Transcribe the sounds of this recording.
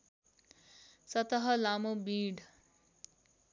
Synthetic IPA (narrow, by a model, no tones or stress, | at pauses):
sʌt̪ʌɦʌlamobĩɽ